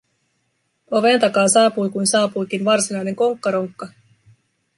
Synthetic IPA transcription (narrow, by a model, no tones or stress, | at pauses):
oʋe̞nt̪ɑkɑːsɑːpujkujnsɑːpujkinʋɑrsinɑjne̞ŋko̞ŋkːɑɾoŋkːɑ